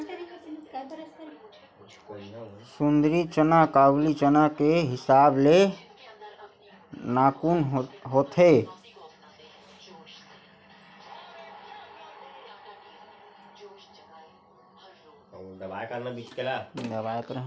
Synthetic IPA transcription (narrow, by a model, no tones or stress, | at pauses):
sund̪ɾit͡ʃənakaɡlit͡ʃənakeɦisable | nakunɦɦot̪ʰe | d̪əbajkəɾnabit͡ʃkelad̪əbajkəɾə